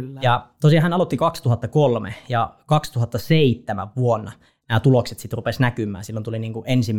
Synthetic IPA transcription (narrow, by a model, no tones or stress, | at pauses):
jɑt̪osiɑhænɑlot̪ːikɑkst̪uhɑt̪ːɑkolmḛjɑkɑkst̪uɦɑt̪ːɑseit̪ːæmæ̰ʋʋuonːɑ | næːt̪ulokset̪sit̪rupesnækymˑæ̰ːsilːont̪uliniːŋkuʔensim